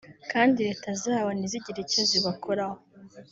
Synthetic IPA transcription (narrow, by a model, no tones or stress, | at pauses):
kaːndiɾe̞ːtazaːβaniziɟiɾicaziβakʰoɾaho